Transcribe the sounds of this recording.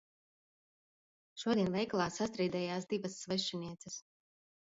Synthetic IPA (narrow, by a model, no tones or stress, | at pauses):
ʃuɔd̪ʲiɛnvɛjklˠaːsːast̪ɾiːd̪ɛjaːs̬d̪ivɐsːvɛʃiniɛt̪sɐs